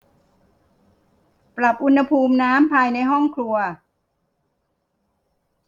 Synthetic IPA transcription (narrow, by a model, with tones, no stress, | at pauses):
pɾa˨˩p̚ʔu˧nha˧pʰuː˧mnaː˦˥mpʰaː˧jna˧jɦɔ˥˩ŋkʰɾu˧ɐ